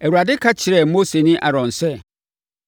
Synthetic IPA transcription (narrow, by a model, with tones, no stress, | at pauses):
æ˨wu˨ɾa˨dɪ˦kʰa˦t͡ɕʰɪ˨ɾɛ˨˦mo˦se˨nɪ̃˦ʔa˨ɾɔ̃˨nsɛ˦